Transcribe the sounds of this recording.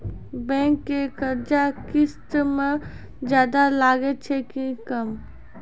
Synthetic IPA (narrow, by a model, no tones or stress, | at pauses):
bɛ̃ːŋkːekɐɾd͡ʒakɪst̪mẽ | d͡ʒjaːd̪alaːɡet͡ʃʰekikɐm